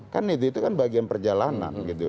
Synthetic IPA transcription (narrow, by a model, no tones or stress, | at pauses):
kanit̪uit̪ukanbaɡianpərd͡ʒalana̰nɡit̪u